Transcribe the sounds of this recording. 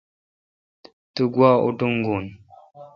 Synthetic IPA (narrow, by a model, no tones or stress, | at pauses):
təɡwao̰duŋ̩ɡun